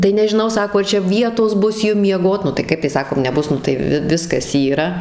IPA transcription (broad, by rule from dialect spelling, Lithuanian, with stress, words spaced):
tɐɪ nʲɛʒʲɪˈnɐʊ ˈsɑːkoː ɐr ˈt͡ʃʲɛ ˈʋʲiɛtoːs ˈbʊs ˈjʊm mʲiɛˈɡoːt nʊ tɐɪ ˈkɐɪp tɐɪ ˈsɑːkoːm nʲɛˈbʊs ˈnʊ tɐɪ ˈʋʲɪ ˈʋʲɪskɐs ˈiːrɐ